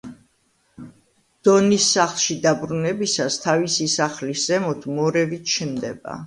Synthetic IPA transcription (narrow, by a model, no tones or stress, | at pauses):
d̪̥ɔnisːaχlˠʃid̪abɾunɛbisast̪ʰavisisaχlisz̥ɛmɔt̪ʰmɔɾɛvit̪ʰt͡ʃʰnd̪ɛba̰